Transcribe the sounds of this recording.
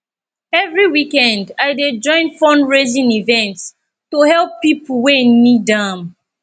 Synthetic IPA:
ɛvɹiwikɛ̃ndaɪded͡ʒɔ̃ɪ̃nfɔ̃nɹezĩnivɛ̃nts | tohɛlˠpːipul̩wenidãm

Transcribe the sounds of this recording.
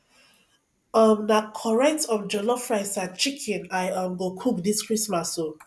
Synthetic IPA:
ɔmnakʰɔɹɛtɔmd͡ʒɔlɔfɹajsãt͡ʃikʰĩnajɔmɡokʰukdiskɹismaso

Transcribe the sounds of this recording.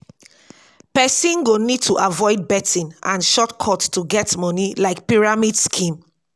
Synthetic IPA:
pɛsĩnɡonid̚tʰuʔavɔɪd̚bɛtĩnʔãnʃɔtkʰɔttuɡɛtmɔnilaɪk̚piɹamidskʰĩm

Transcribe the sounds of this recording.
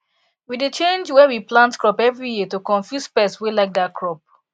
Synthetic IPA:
widet͡ʃẽnd͡ʒwɛwiplãntkɹɔpɛvɹijitokɔ̃nfjuspɛswelaɪk̚dakʰɹɔp̚

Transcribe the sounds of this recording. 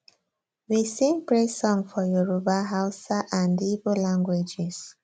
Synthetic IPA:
wisẽŋpɹesɔ̃ŋfɔjɔɹobaɦaʊsaʔãndibolãŋɡwed͡ʒɛs

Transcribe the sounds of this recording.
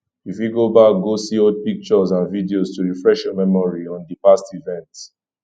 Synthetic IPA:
ifjuɡobak̚ɡosiɔd̚pik̚t͡ʃɔzãnvidiostuɹifɹɛʃjɔmɛmɔɹiɔ̃ndipastivɛ̃nt

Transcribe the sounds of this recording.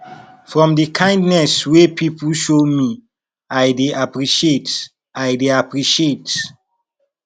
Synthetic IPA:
fɹɔ̃mdikʰãɪ̃ndnɛswepʰipulʃomi | ajdeʔapɹiʃiet | ajdeapɹiʃiet

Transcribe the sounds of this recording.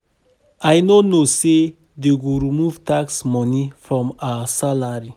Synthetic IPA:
ajnonose | deɡuɾumuvtaksmɔnifɹɔ̃masalaɹi

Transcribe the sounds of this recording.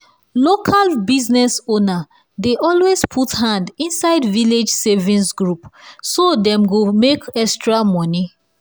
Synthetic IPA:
lokʰalbiznɛsona | deʔɔlwespʰuthãndĩnsaɪdviled͡ʒsevĩnsɡɹupsodɛ̃mɡumekɛstɹamɔni

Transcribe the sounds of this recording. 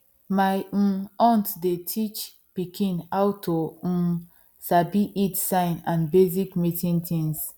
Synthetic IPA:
maj̩̃ɔ̃ntdetʰit͡ʃ | pikʰĩnawtõ | sabiʔitsãɪ̃nãnbezikmitĩntĩns

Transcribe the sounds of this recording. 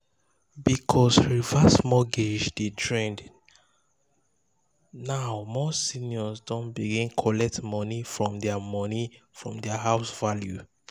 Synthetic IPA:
bikʰɔsɹivasmɔɡed͡ʒdedɹẽnd | naʊmɔsiniɔsdɔ̃nbiɡĩnkʰɔlɛk̚tmɔnifɹɔ̃mdɛamɔnifɹɔ̃mdɛaɦaʊsvalju

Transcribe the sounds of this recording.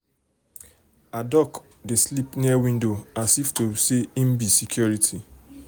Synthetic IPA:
adɔk | deslipniawĩndoasiftoseim̩bisikʰjɔɹitʰi

